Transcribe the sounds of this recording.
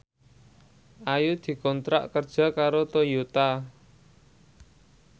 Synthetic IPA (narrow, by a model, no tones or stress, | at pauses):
ʔajud̪̥i̤kɔnt̪ɾa̰ʔkərd̥ʒ̥a̤kaɾot̪ojot̪a